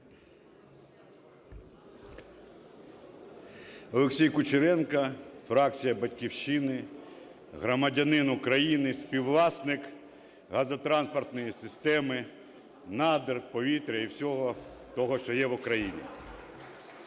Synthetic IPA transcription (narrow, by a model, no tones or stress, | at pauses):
ɔlˠeksʲijkʊt͡ʃɪɾɛnkɐfɾɑk̚t͡sʲijɐbɐtʲkʲiwʃt͡ʃɪnɪ | ɦɾɔmɐdʲɐnɪnʊkɾɐjinɪsʲpʲiwlˠɑsnɪk | ɦɐzɐt̪ɾɑnspɔrt̪nɔjisɪst̪ɛmɪ | nɑd̪erpɔʋʲit̪ɾʲɐiwsʲɔɦɔt̪ɔɦɔʃt͡ʃɔjɛʋʊkɾɐjinʲḭ